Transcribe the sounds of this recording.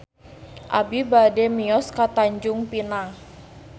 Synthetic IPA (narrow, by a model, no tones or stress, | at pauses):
ʔabibadɛmiɔskat̪aɲd͡ʒʊŋpinaŋ